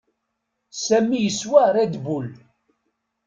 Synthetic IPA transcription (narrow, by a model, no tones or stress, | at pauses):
sæmːijəswæɾæd̪bul